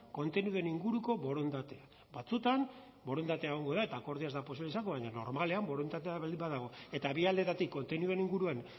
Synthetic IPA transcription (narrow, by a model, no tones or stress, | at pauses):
ko̞nt̪e̞njuðe̞niŋɡuɾuko̞βo̞ɾond̪at̪e̞a | bat͡sut̪am | bo̞ɾond̪at̪eaeɣ̞o̞ŋɡo̞ðae̞t̪aːko̞ɾðiazd̪apos̬iβleisaŋɡoβaɲano̞ɾmale̞ambo̞ɾond̪at̪eaald̪imbaðaɣ̞o̞e̞t̪aβiald̪e̞t̪at̪ikːo̞nt̪e̞njue̞niŋɡuɾuan